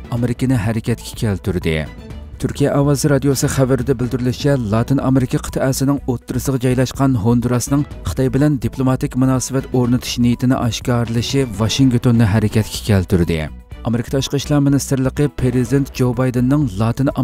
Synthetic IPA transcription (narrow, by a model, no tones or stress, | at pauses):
ɑmeɾɪkʲɪnɪɦɛɾɪkʲɛt̪kʲʰɛ̥kʲʰɛlt̪ʰyɾd̪ɪ̰ | t̪ʰyɾkʲʰijɛʔɑwɑzɨɾɑd̪ijosɨχævæɾɪd̪ɛbɪld̪yɾɪlɪʃɛlˠɑt̪ʰɨnɑmeɾɪkʲʰɑqʰə̥t̪ʰɨʔɛsɪnɪŋot̪ːɨɾɨsəʁɑd͡ʒɑjlˠɑʃqɑnɦond̪uɾɑsnɨŋχə̥t̪ɑjbɪlɛnd̪iplˠomɑt̪ɨkʲmunɑːsɨvɛt̪oɾnɨt̪ʰu̥ʃnijit̪ʰɪnɪ̰ʔɑʃkɑɾɨlˠɨʃivɑʃiŋkt̪ʰonːɨɦɛɾɪkʲɛt̪kʲʰɛ̥kʲʰɛlt̪ʰyɾd̪ɪ̰ | ɑmeɾɪkʰɑ̥t̪ʰɑʃqəʃlˠɑɾmɪnist̪ɨɾlˠəqəpʰeɾizɨd̪ent̪̚d͡ʒowbɑjd̪ɨnːɨŋlˠɑt̪ɨn